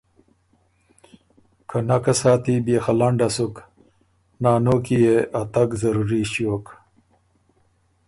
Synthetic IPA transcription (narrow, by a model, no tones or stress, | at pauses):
kʰanakasaːt̪ibeːxalaɳɖasuk | naːnoːkijeʔat̪akzɐɾuɾiɕjoːk